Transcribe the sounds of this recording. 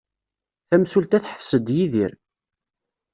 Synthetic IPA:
θæmsult̪æθħə̥fsəd̪jiðḭɾ

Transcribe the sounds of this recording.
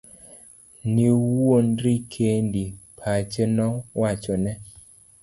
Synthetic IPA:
niwonɾikʰendipʰat͡ʃenɔwʔat͡ʃɔnɛ

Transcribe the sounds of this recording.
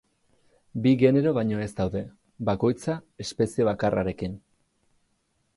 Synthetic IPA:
biɣe̞ne̞ɾo̞βaɲo̞e̞zd̪awðe̞ | bako̞jt͡sae̞spe̞sie̞βakara̰ɾe̞kin

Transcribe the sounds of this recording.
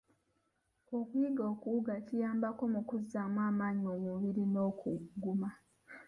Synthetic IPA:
o̞kwiːɡo̞ːkuuɡacijaːmbako̞mukuzːaːmwaːmaːɲiojoβiɾino̞ːkuɡɡːuma

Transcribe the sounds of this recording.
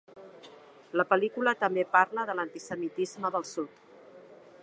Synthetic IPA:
ləpəlikulət̪əmbepaɾləðələnt̪isəmit̪izməðəlˠsut̪

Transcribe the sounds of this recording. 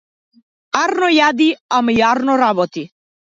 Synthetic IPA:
aɾnɔjad̪iamjaɾnɔɾabɔt̪i

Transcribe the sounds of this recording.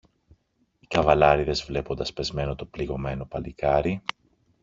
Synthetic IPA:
i̥kɐvɐlɐɾiðe̞zvle̞po̞nd̪ɐspe̞zme̞no̞t̪o̞pliɣo̞me̞no̞pɐlikɐɾi

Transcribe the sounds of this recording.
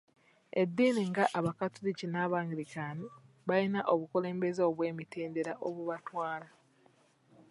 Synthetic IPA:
e̞d̪ːiːniŋɡaʔaβakatuɾicinaːβaːŋɡiɾikaːni | βajinaʔo̞βukule̞ːmbe̞zeoβwe̞ːmiteːndeɾaʔoβuβatwaːla

